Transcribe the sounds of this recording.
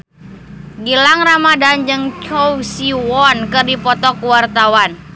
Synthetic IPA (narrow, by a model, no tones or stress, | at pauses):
ɡilaŋramadand͡ʒɨŋt͡ʃɔwsiwɔnkɨrdipɔt̪ɔkuwart̪awan